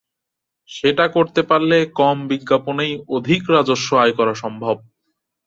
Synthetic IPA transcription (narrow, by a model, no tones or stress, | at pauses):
ʃeʈakoɾt̪epaɾlekɔmbiɡːaponejod̪ʱikɾad͡ʑoʃːoajkɔɾaʃɔmbʱob̚